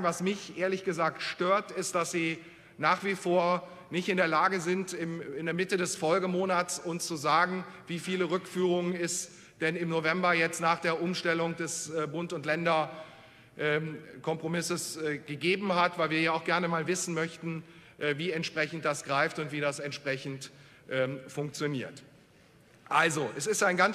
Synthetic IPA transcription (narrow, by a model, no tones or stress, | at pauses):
vasmɪçʔeːɐlɪçɡ̥əzaːktʃtøːɐtɪst̚d̥asz̥iː | naːχv̥ifoːɐ | nɪçtɪndeːɐlaːɡəzɪntɪmɪndeɐmɪtədɛsfɔlɡəmoːnat͡sʊnst͡suzaːɡŋ̩viːfiːləʁʏkfyːʁʊŋnɪst | d̥ɛnɪmnovɛmbɐjɛt͡stnaːχd̥eːɐʔʊmʃtɛlʊŋd̥ɛsbʊntʊntlɛndɐ | ʔɛːkʰɔmpʁ̥omɪsəsɡ̥əɡeːbm̩hatv̥aɪlviːɐjaːaʊxɡ̥ɛɐnəmaːlvɪsn̩mœçtn̩ | ʔviːɛntʃpʁ̥ɛçn̩t̚d̥asɡ̥ʁaɪftʊntv̥iːɾasɛntʃpʁ̥ɛçn̩t | ʔɛːfʊŋk̚t͡sjoniːɐt | ʔalzoʔɛsɪstaɪnɡan